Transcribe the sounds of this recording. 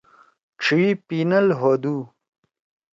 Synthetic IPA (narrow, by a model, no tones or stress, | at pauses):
ʈ͡ʂʰipinɐlɦod̪u